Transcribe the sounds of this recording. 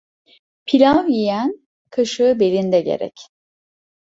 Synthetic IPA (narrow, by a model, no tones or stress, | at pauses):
pʰilʲavjijæn | kʰaʃɯbe̞lʲind̪ɛɟḛɾɛ̰c